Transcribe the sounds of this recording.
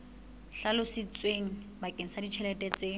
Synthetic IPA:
ɬalʊsɪt͡sʼweŋ̩ | bakʼeŋ̩sadit͡ʃʰɛlɛtʼɛt͡sʼe

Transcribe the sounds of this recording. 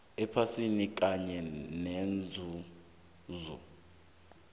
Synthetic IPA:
ɛpʰasinik̬ʼaɲɛnɛnd͡zʱu | zɔ̰

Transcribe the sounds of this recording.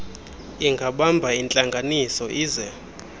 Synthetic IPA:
iŋɡʱaɓambʱaint͡ɬʼaŋɡʱanisɔʔiːzɛ

